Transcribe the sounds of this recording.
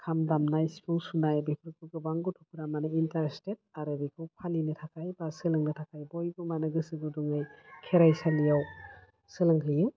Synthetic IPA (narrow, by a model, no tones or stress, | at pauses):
kʰamdamnajsi̥pʰɯŋsunajbepʰɾkʰɯɡɯbaŋɡɔtʰupʰɾamanɯintaɾstet̚aɾɯbikʰɯwpʰalinɯtʰakʰajbasɯlɯŋnɯtʰakʰajbɔjɡɯmanɯɡɯsɯɡɯdɔŋajkʰeɾajsalijaw | sɯlɯŋɦʰɯjɯw